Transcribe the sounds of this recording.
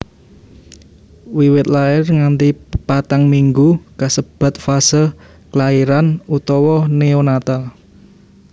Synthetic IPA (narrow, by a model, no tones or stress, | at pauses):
wiwɪt̪̚laɪrŋant̪ipat̪aŋmiŋɡukasəb̥a̤t̪̚fasəl | kəlaiɾanut̪ɔwɔneonat̪al